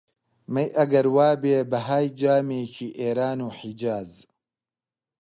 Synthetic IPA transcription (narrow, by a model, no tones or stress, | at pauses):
mɐjʔɐɡɐɾwaːbeːbɐɦaːjd͡ʒaːmeːt͡ʃʰiːʔeːɾaːnuːħid͡ʒaːz